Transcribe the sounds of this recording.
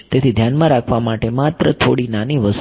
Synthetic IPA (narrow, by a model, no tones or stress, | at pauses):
t̪et̪ʰid̪ʱjanmãɾakʰʋamaʈemat̪ɾət̪ʰoɽinaniʋəs